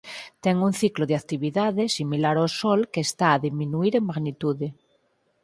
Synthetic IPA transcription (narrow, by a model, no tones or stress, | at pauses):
t̪ɛŋun̟θikloðeakt̪iβiðaðesimilaɾawsolkeːst̪aːðimĩnuiɾeŋmaɣnit̪uðe